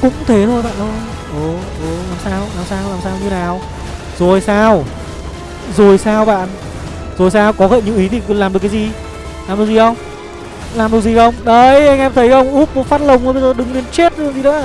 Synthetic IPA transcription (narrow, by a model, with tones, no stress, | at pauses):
kʊ̰˧˥ŋ͡mt̪ʰe˨˦t̪ʰo˧jɓa̰ː˧˨nɗo˧ | ʔə˨˩ʔə˨˩laː˨˩msaː˧wlaː˨˩msaː˧wlaː˨˩msaː˧wɲ˧wnaː˨˩w | zo˨˩jsaː˧w | zo˨˩jsaː˧wɓa̰ː˧˨n | zo˨˩jsaː˧wkɔ˨˦ɣə̰˧˨nɲṵ˧˨wʔi˨˦t̪ʰi˨˩˨laː˨˩mɗɨ˨˩ək̬ːa˨˦zi˨˩ | laː˨˩mɗɨ˨˩əkzi˨˩xə˧wŋ͡m | laː˨˩mɗɨ˨˩ək̚zi˨˩xə˧wŋ͡mɗə˨˧jʔa˧jŋ̟ʔɛ˧mt̪ʰə˨˦jxə˧wŋ͡mʔu˦˥p̚ːo˨˦faː˦˥t̚lə˨˩wŋ͡mə˨˦ɓə˧zəː˨˩ɗɨ˨˩ŋle˧nt͡ɕe˦˥t̚ɗzi˨ɗə̰˧˥˧